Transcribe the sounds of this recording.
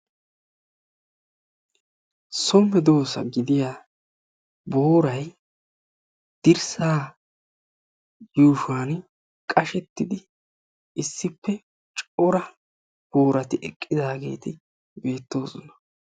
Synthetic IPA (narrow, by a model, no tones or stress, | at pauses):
sɔmːɛd̪o̞ːsɐ̰ɡɪd̪ɪjaː | boːɾɐj | d̪̥ɪɾsaː | juːʃwaːn | kʼɐʃɛt̪ːɪd̪ɪ | ɪsːɪpːɛ | t͡ʃʼɔɾɐ | b̥o̞ːɾɐt̪ɪʔɛkʼːɪd̪aːɡe̞̰ːt̪ɪ | be̞ːt̪ːo̞ːzɔnɐ̥